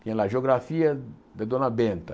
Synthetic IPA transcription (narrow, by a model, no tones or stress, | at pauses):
t̪ĩɲlaʒeoɡɾafiɐd̪ed̪õnɐbẽnt̪ɐ